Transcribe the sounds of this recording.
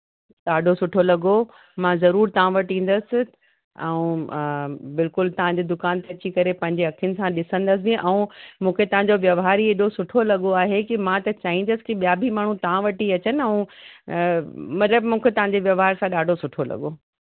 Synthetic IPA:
ɗaːɖʱosʊʈʰolɐɡo | mãzɐɾuːɾt̪ɐʋ̤ãʋɐʈĩːn̆d̪əsɪ̆ | ɛũ | bɪlkʊlt̪ɐʋ̤ãɲd͡ʑed̪ʊkaːnt̪eɐt͡ɕikɐɾepɐ̃ɦɪ̃ɲd͡ʑeɐkʰijʊnɪ̆sãɗɪsə̃nd̪əs̬ɪbiʔɛ̃ũmũːkʰet̪ɐʋ̤ãɲd͡ʑoʋjɐʋɦaːɾieːɗosʊʈʰolɐɠoaːɦekimãt̪ɐt͡ɕaːɦĩnd̪əsɪ̥kiɓijabʱimaːɳ̤ũt̪ɐʋ̤ãʋɐʈiɐt͡ɕənɪɛũ | mɐt̪ləbmũːkʰet̪ɐʋ̤ãɲd͡ʑeʋjɐʋɦaːɾsãɗaːɖʱosʊʈʰolɐ̰ɠo

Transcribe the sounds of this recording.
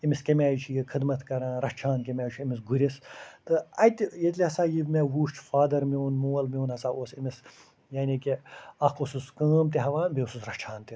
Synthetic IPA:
imiskʲɐmʲaːjt͡ʃʰijikʰɨd̪mɐt̪kɐɾãːɾɐt͡ʃʰaːnk̬ʲemʲaːjt͡ʃʰiimis̬ɡuɾʲist̪ɨɐt̪ʲjɐt̪liɦɐsaːjibmeʋuːʃt͡ʃʰfaːd̪ɐɾmiunmuːɐlmiuːnɦɐsaːʔoːsimis | jaːnʲikeɐkosuskəːmt̪iɦɐʋaːnbeususɾɐt͡ʃʰaːnt̪i

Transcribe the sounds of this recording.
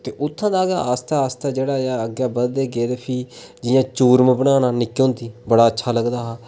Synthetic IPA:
t̪eːʔʊt̪ʰːãːd̪aːɡa̰ːaːst̪aːaːst̪aːd͡ʒeːɽaːaːəɡjaːbəd̪d̪eːɡeːd̪eːpʰiː | d͡ʒɪjãːt͡ʃuːɾməbəɽaːnaːnɪkːjõːnd̪iːbəɽaːətːʃʰaːləɡd̪aːɦaː

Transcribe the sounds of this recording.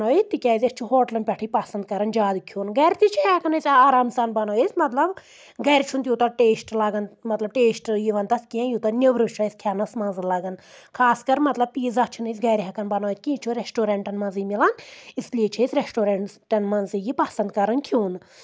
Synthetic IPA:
oːjit̪ikʲaːjzʲɐst͡ʃʰuɦoːʈlɐnpʲɐʈʰijpɐsɐnd̪̚kɐɾɐnd͡ʒaːd̪ukʰjuːnɡɐɾʲt̪it͡ʃʰiɛkɐnɐsʲaːɾaːmsaːnbɐnoːjisʲmɐt̪lɐb | ɡɐɾʲt͡ʃʰunt̪ʲjut̪ɐʈeːsʈlaːɡɐnmɐt̪lɐb̚ʈeːsʈjiʋɐnt̪ɐskiãjut̪ɐnʲiʋɾɨt͡ʃʰaːjsʲkʰʲaːnɐsmɐ̃nzɨlɐɡɐnkʰaːskɐɾmɐt̪lɐb̚piːzɐkt͡ʃʰunɨsʲɡɐɾʲɦɛkɐnbɐnoːjt̪kʲĩːt͡ʃʰuɾesʈoːɾeɳʈɐnmɐnzimilɐnisliet͡ʃʰisʲɾesʈoːɾeɳʈɐnmɐnzijipɐsɐnd̪kɐɾɐnkʰjuːn

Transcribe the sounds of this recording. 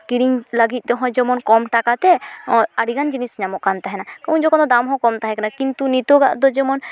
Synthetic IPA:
kiɽiŋləɡit̪̚ˀd̪ɔɦɔ̃d͡ʒɛmɔnkɔmʈakat̪ɛaɽiɡand͡ʒinisɲamɔʔkant̪aɦɛnakaw̃nd͡ʒɔkɔ̃nd̪ɔd̪amɦɔ̃kɔmt̪aɦɛkanakint̪unit̪oɡa̰ʔd̪ɔd͡ʒɛmɔn

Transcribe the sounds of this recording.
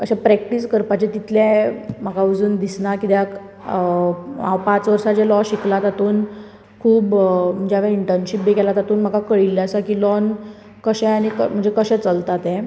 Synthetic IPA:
əɕapɾɛkʈiskəɾpat͡ɕet̪it̪lɛ̃m̤əɡaud͡zuːnd̪isnakid̪jak | a̰pat͡sʋəɾsat͡ɕɛlɔɕiklat̪at̪uːn | kʰuːbm̤əɳd͡ʑaʋeiɳʈəɾnɕipbekɛlat̪at̪uːnm̤əɡakəɭilːaəsakilɔn | kəɕɛ̃añikəm̤əɳd͡zekəɕɛ̃t͡səlt̪at̪ɛ̃

